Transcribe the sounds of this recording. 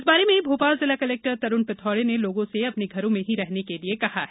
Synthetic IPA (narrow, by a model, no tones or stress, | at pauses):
sbaːɾemẽbʱoːpaːlzɪlakɐlɛːk̚ʈəɾt̪ɐɾʊnpɪt̪ʰɔːɽeneloːɡõseɐpneɡʱɐɾõmẽɦiɾɛɦnekeliekɐha̰ɦɛ